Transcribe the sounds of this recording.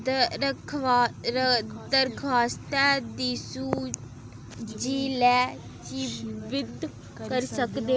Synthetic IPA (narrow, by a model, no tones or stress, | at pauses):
d̪əɾkʰaːst̪ɛːd̪iːsuː | d͡ʒiːlɛː | t͡ʃibɪd̪ | kəɾsəkd̪eː